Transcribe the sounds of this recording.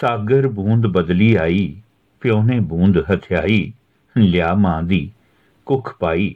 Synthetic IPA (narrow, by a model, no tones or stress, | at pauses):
saːɡəɾbũːnd̪bəd̪liːaːiː | pʰɪjõːnẽːbũːnd̪ɦət̪ʰjaːiː | lɪjaːmãːd̪iː | kʊkʰpaːiː